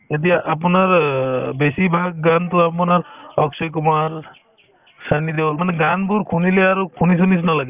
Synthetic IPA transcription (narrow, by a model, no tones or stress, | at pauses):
et̪̬ijaʔːp̬unaɹbesibʱaɡ̚ːant̪uapunaɾɔksek̬umaɹ | sanid̪ebɔlmanɛɡanbuɾkʰunileaɾukʰunis̬unis̬nalaɡe